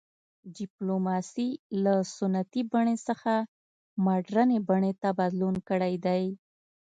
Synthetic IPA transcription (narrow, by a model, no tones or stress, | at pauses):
ɖɪplomɑsilasʊnat̪ibaɳesəxa | maɖɾənebaɳet̪abad̪lunkəɽajd̪aj